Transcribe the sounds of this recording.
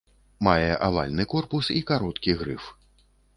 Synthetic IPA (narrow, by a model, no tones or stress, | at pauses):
majɛʔavalʲnɨkɔrpusikaɾɔt̪kʲiɣɾɨf